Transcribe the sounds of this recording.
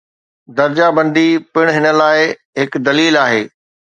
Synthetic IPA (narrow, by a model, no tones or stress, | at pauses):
d̪ɐɾd͡ʑabɐ̃nd̪ipɪɽ̃ɦɪnə̆laːɪ | ɦɪkd̪ɐliːlaːɦeː